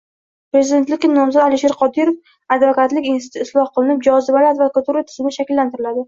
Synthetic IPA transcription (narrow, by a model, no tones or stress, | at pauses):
pɾe̞zɪd̪e̞nt̪lɪkʲːɪnɒmzɒd̪alɪʃe̞ɾqʰɒd̪ɪɾof | ad̪vakat̪lɪkʲɪnsɪ̥t̪ʰʊɪslˠɒhqɨlˠɪnɪp̚d͡ʒɒzɪbalad̪vakat̪uɾat̪ʰɪ̥zɪmnɪʃakʲɪlːant̪ɪɾɪlad̪ɪ